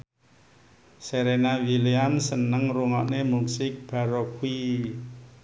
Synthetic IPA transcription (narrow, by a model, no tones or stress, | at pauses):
seɾenawiliamsənəŋruŋɔʔnemusɪk̚b̥a̤ɾokui